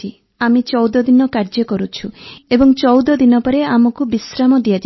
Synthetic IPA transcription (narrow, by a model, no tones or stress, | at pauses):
i | amit͡ʃɔwd̪ɔd̪inɔkaɾd͡ʒɔkɔɾut͡ʃʰuebɔŋt͡ʃɔwd̪ɔd̪inɔpɔɾeamɔkubisɾamɔd̪ijad͡ʒ